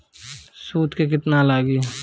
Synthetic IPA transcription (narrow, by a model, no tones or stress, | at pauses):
suːt̪kek̬ɪt̪nalaːɡi